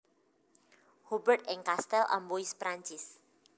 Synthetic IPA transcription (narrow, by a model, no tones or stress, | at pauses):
hubərt̪ɛŋkast̪ɛlʔa̰mboispɾaɲt͡ʃɪs